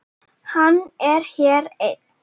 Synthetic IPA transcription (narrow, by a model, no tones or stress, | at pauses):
hanɛɾhɛːɾɛt̪